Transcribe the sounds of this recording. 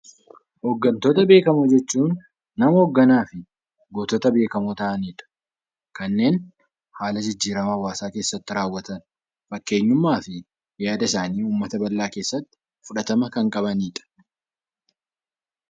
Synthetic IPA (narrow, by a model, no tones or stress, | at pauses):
hɔɡːɐnt̪ot̪ɐbe̞ːkɐmɔd͡ʒɛt͡ʃːuːnː | ɐmɐɔɡːɐnaːfɪ | ɡoːt̪ɔt̪ɐbe̞ːkɐmot̪ɐʔɐniːᶑɐ̥ | kɐnːe̞ːn | haːlɐd͡ʒɪd͡ʒːiːɾɐmɐwaːsaːke̞ːsːɐt̪ːɪɾaːwːɐt̪ɐn | fɐkːe̞ːɲːʊmːaːfɪ | jaːd̪ɐɪsaːniːuːmːɐt̪ɐbɐlːaːkeːsːɐt̪ːɪ̥ | fʊᶑɐt̪ɐmɐkɐŋkʼɐbɐniːᶑɐ̥